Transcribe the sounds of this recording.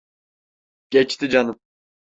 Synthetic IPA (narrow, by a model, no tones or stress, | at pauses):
ɟ̥ɛt͡ʃt̪ʰid͡ʒanɯm